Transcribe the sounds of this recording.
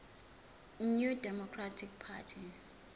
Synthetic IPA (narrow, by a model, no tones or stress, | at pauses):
njudɛmɔkʰratʰik̚pʰa̰tʰi